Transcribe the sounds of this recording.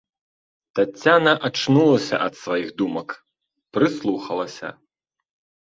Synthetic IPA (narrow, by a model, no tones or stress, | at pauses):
t̪at͡sʲːanɐʔat͡ʂnulˠɐsʲɐ̰ʔɐt̪svajiɣd̪umɐk | pɾɨslˠuxɐlˠɐsʲɐ̰